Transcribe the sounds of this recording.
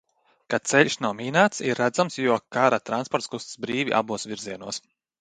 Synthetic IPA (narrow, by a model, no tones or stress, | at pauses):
kat̪sɛʎʲʃnawmʲiːnaːt̪siɾːæd̪zamsjuɔkaɾat̪ɾanspɔɾt̪skust̪sbɾiːvʲḭʔa̰buɔsvʲiɾziɛnuɔs